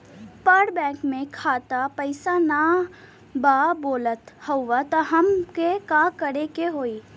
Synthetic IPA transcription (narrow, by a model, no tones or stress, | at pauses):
pəɽbɛ̃ːkmẽkʰaːt̪apəɪsana | baboːlət̪həʋat̪əɦəmkekakəɾekeɦoːiː